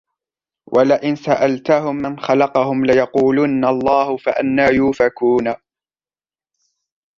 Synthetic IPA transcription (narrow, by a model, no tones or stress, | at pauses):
wʔalaʔɪnsaʔalt̪ahʊmːanxɑlɑqɑhʊmlɪjɑquːlunːalˤːɑːhʊfaʔanːaːjuːfakuːnaː